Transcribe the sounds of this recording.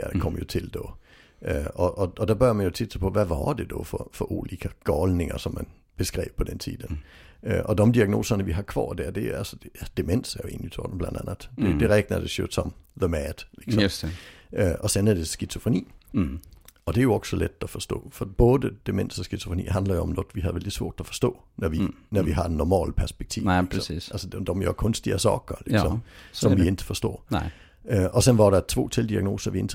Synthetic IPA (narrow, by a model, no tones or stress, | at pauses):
jæd̥ekʰɒm̰ɐjo̝t͡sʰe̝ld̥ɒ | øɒʔɒɒd̥æbɶɐmænjo̝t͡sʰid̥sɐpʰɒ̽ʋæʋɑd̥e̝d̥ɒfɒfɒʔulikʰəɡ̥ɒːlne̝ŋɐsɒ̽mːæn | b̥e̝sɡ̥ʁɛ̰ːb̥̚pʰɒ̽d̥ent͡sʰḭːðˠənøʔɒd̥ɒmd̥iæɡ̥no̝̰ːsɐnəʋiɦɑ̈kʰʋɑ̰ːd̥æɐ̰d̥e̝ælsɒd̥d̥emen̰sɐjoe̝̰ːnit͡sʰɒ̰ːd̥m̩blænd̥ænəð̥ˠd̥e̝d̥eʁɛɡ̥̚nɐd̥e̝sø̥sɒmðəmæd̥liɡ̥s | øʔɒ̽sɔnæɐd̥e̝sɡ̥it͡sʰo̝fonḭː | ɒ̽d̥eæɐjo̝ɒ̽ɡ̥sɒ̽led̥ɒfɒsd̥ɔ̰ːfɒ̽b̥ɔːðˠəd̥e̝men̰sɒsɡ̥it͡sʰofonḭːɦænd̥lɐjo̝ɒ̽mnɔ̽d̥ˠʋihæðˠʋeld̥isʋɔ̝ɐd̥æɒfɒ̽sd̥ɔ̰ː | nɒʋinɒʋiɦɑ̥̈enːɒmɛ̰ːləpʰæɐsb̥eɡ̥̚t͡sʰḭːḭsælsədd̥ɒmjoɐkʰɔ̽nsd̥iɐsɒɡ̥ɐliɡ̥sɒ̽msɒ̽mʋie̝nd̥ə̥fɒsd̥ɔ̰̽ː | ʔøʔɒ̽sɔnʋɑ̈ɾɑt͡sʰʋo̝̰ːt͡sʰe̝ld̥iɑɐɡ̥no̝ːsɐʋie̝nd̥ʰ